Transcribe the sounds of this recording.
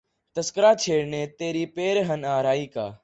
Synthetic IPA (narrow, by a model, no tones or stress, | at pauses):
t̪əskəɾaːt͡ʃʰeːɽneːt̪eːɾiːpeːɾɦənaːɾaːiːkaː